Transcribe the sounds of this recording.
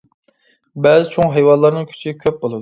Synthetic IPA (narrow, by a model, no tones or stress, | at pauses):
bɛzɪt͡ʃʰoŋɦɛjwɑnlˠɑɾnɨŋkʲʰy̥t͡ʃʰikʲʰøp̚bolˠɨd̪u